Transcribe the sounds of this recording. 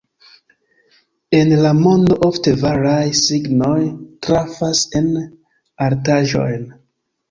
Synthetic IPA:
enlamo̞ndo̞ʔofte̞vaɾajsiɡnojtɾafase̞n | aɾtaʒo̞̰jn

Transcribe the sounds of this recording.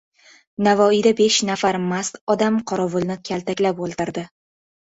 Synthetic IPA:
navɒijd̪abe̞ʃnafaɾmast̪ɒd̪amqʰɒɾɒvʊlˠnɪkʲʰalt̪akʲlapolˠt̪ɪɾd̪ɪ

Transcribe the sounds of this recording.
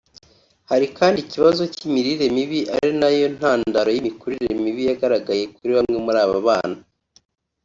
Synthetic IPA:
haɾikaːndiciβazo̞cimiɾiɾe̞miβiʔa̰ɾinajo̞n̥haːndaɾo̞jimikuɾiɾɾemiβijaɡaɾaɡaje̞kuɾiβamŋe̞muɾaːβaβaːna

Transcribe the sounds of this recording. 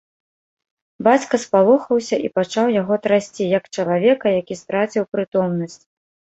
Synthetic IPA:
bat͡sʲkɐspalˠɔxɐwsʲɐʔipat͡ʂawjaɣɔt̪ɾasʲt͡sʲijɐkt͡ʂɐlˠavʲɛkɐjakʲist̪ɾat͡sʲiwpɾɨt̪ɔmnɐsʲt͡sʲ

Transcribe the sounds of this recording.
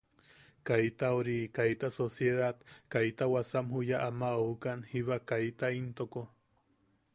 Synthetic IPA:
kajt̪aoɾikajt̪asosjeðat̪kajt̪awasamhujaʔamaoukanhiβakajt̪aint̪oko

